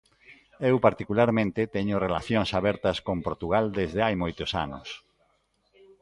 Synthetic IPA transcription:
ewpaɾt̪ikulaɾmẽnt̪et̪ɛɲʊrelaθjoŋsaβɛɾt̪ɐskompoɾt̪uɣ̞ald̪ezðeajmojt̪ʊsa̰nʊ̰s

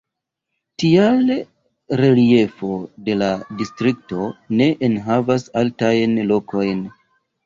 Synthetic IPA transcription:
tial | ɾe̞lie̞fo̞de̞ladistɾikto̞ne̞ʔenɦavasaltajnlo̞ko̞jn

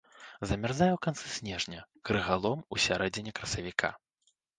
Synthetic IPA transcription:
zɐmʲarzajɛwkant̪sɨsʲnʲɛʐnʲɐkɾɨɣalˠɔmusʲaɾɛd͡zʲɪnʲɛkɾɐsɐvʲikʰa̰

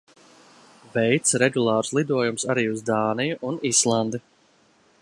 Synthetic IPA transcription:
vɛjt̪sɾɛɡulˠɑːɾslˠid̪uɔjumsaɾiːuzd̪aːnijuʔunislˠand̪e

